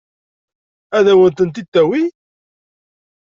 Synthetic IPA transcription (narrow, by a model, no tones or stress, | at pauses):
æðæwænt̪ənt̪it̪ːæwi